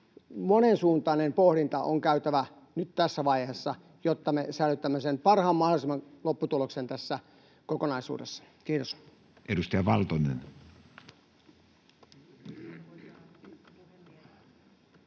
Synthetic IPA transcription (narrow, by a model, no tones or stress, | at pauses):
monensuːnt̪ɑːˑnempohɾint̪ɑʔoŋkæyt̪æʋæ | nyt̪t̪æsːæʋɑihesːɑ | jot̪ːɑmesælyt̪ːæmːesenpɑrhɑːmmɑholisemːɑlopːut̪uloksent̪æsːæ | kokonɑisṵːdesːɑ̥ | kiːt̪os | ʔedust̪ɑjɑʋɑlt̪onen